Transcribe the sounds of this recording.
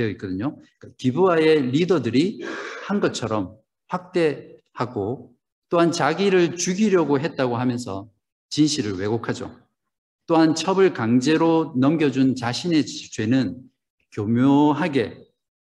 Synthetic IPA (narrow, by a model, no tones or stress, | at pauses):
eʌik͈ʌdɯɲo | k͈akibuae̞ɾidʌdɯɾihanɡʌt͡ɕʰʌɾʌm | ɸwak̚t͈e̞haɡo | t͈ohant͡ɕaɡiɾɯɭt͡ɕuɡiɾjʌɡoɦe̞t̚t͈aɡoɦamjʌnsʰʌ̰ | t͡ɕinɕʰiɾɯɭwe̞ɡokʰad͡ʑo̰ | t͈oɦant͡ɕʰʌbɯɭkaŋd͡ʑe̞ɾonʌmɡjʌd͡ʑunt͡ɕaɕʰine̞t͡ɕwe̞nɯn | kjomjoɦaɡe̞